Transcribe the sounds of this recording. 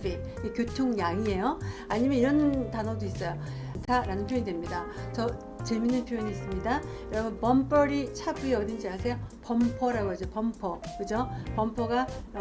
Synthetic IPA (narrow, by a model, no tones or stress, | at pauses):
i | ikjotʰoŋjaŋie̞joaɲimjʌniɾʌntanodois͈ʌjo | ntʰaɾanɯnpʰjoɲidwemɲidat͡ɕʌ | t͡ɕe̞minːɯnpʰjoɲiːs͈ɯmɲidajʌɾʌbʌnpʌmp͈ʌɾit͡ɕʰabueʌdɯnd͡ʑiasʰe̞jopʌmpʰʌɾaɡoad͡ʑopʌmpʰʌkɯd͡ʑopʌmpʰʌɡa